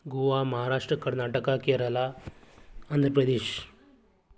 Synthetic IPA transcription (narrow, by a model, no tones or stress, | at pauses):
ɡuʋaməɦaɾaʂʈɾəkəɾnaʈəkakeɾəla | ənd̪ʱɾəpɾəd̪eːɕ